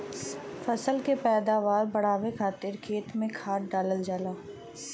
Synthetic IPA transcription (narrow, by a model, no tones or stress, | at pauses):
fɐsəlkepɛːd̪aːʋaːɾbɐɽ̤aːʋekʰaːt̪ɪɾkʰeːt̪mẽkʰaːʈɖaːləld͡ʒaːlaː